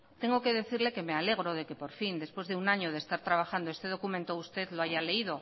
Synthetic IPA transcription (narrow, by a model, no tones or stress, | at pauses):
t̪e̞ŋɡo̞ke̞ðe̞θiɾle̞ke̞me̞ale̞ɣ̞ɾo̞ð̞e̞kepo̞ɾfind̪e̞spwe̞zðe̞unaɲoð̞est̪aɾt̪ɾaβ̞axand̪oe̞st̪e̞ðo̞kumẽ̞nt̪oust̪e̞ðloaʝale̞iðo̞